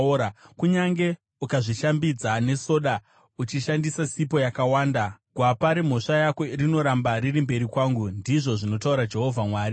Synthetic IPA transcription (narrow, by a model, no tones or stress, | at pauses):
kuɲaŋɡe̞ | ukaʐiʃambid͡zane̞so̞ɗa | ut͡ʃiʃandisasip̬o̞jakawaːndaɡ̥ʱwapaɾem̤o̞ʂajakwe̞rino̞ɾambaɾirimbe̞ɾikwaːŋɡundiʐo̞ʐino̞tauɾad͡ʒe̞ɦo̞vʱamwaːri